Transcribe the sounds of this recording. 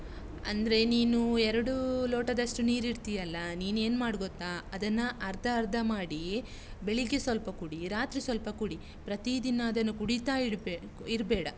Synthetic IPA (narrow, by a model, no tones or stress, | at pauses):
ɐ̰nd̪ɐɾe̞niːnuɛɾɐɽuloːʈɐd̪ɐʂʈuniːɾiɽt̪ijɐlːɐniːne̞ːnmaːɽɡot̪ːaːɐd̪ɐnːɐʔɐɾd̪ʱɐːɾd̪ʱɐmaːɽi | beɭiɡesʋɐlpɐkuɽiɾaːt̪ɾisʋɐlpɐkuɽi | pɾɐt̪id̪inɐːd̪ɐnːukuɽit̪aːi | iɾbɛːɽɐ